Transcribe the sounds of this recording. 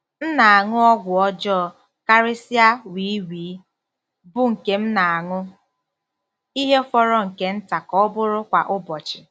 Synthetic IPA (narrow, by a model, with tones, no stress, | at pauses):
n̩˦na˨a˨ŋʊ˦ɔ˦ɡʷʊ˨ɔ˦d͡ʒɔ˦˨ | ka˦ɾe˦si˦a˦wi˨˦wiː˨˦ | bʊ˦ŋ̩˨ke˨m̩˦na˨a˨ŋʊ˦ | i˦ɦe˦fɔ˦ɾɔ˦ŋ̩˨ke˨˦n̩˦ta˨kɔ˦bʊ˦ɾʊ˦kʷa˨ʔʊ˦bɔ˨t͡ʃɪ˨